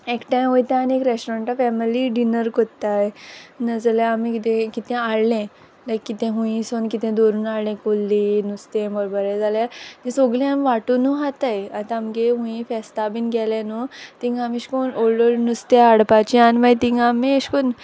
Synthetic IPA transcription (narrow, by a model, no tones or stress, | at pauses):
ekʈãɦojt̪ɛ̃aniekɾesʈoɾẽɳʈɔfɛmiliɖinəɾkot̪ːajnəd͡zəljaamikit̪ẽkit̪ɛ̃aɽlẽ | lakːit̪ẽɦũĩsonkit̪ɛ̃d̪oɾuːnaɭlẽkolːinust̪ẽmbəɾbəɾed͡zaljat̪ĩsoɡlĩamiʋaʈunuɦat̪ajat̪ãːmkeɦũĩfɛst̪abiːnɡɛlanot̪iŋɡamĩɕkonoɭolnust̪eaɽpat͡ɕianmat̪ĩŋɡamẽɕkon